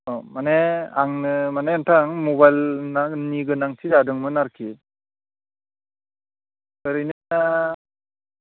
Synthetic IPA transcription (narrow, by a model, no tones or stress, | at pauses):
omaneaŋnɯmaneantʰaŋmɔbajlnaniɡɯnaŋtʰizadɯŋmɯnaɾkʰit̚ | kɯɾɯjnɯna